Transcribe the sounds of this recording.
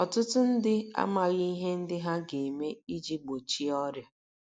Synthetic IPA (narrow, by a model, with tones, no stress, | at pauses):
ɔ˨tʊ˦tʊ˦n̩˦dɪ˦a̰˦ma˨ɣi˦ɦe˦n̩˦dɪ˦ɦa˦ɡe˨me˦i˦d͡ʒi˦ɡ͡bo˨t͡ʃi˦ɔ˦ɾja˨